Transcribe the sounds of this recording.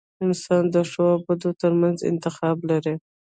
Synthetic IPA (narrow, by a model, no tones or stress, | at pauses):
ɪnsɑnd̪əʂoabad̪ot̪əɾmanzɪ̰nt̪ɪxɑblaɾi